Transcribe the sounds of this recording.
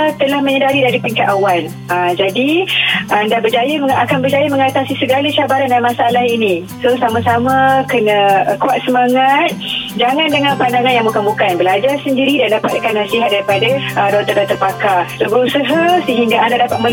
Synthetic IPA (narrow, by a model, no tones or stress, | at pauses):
t̪əlahməɲədaɾidaɾipiŋkat̪awal | ad͡ʒadiʔandabərd͡ʒajəməakanbərd͡ʒajəməŋat̪asisəɡalaʃabaɾandanmasaalahini | sosamasamakənə̃kuat̪̚səmaŋat̪̚d͡ʒaŋandəŋãnpandaŋanjaŋməkəmukanbəlad͡ʒarsəndiɾidandapat̪̚kanasiɦat̪̚daɾipadaədɔt̪ərdɔt̪ərpakasobəɾusəɦasəɦiŋɡaandadapat̪̚mə